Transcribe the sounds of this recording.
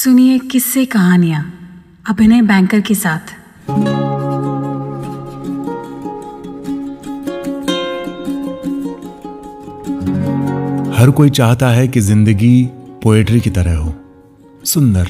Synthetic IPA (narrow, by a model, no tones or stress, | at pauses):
sʊniekɪsːekɐɦaːnijãː | ɐbʱɪnebɛ̃ːŋkəɾkesaːt̪ʰ | hɐɾkoːit͡ʃaːɦt̪aɦɛkizɪ̃nd̪əɡipoːeːʈɾikit̪ɐɾəɦɦoː | sʊ̃nd̪əɾ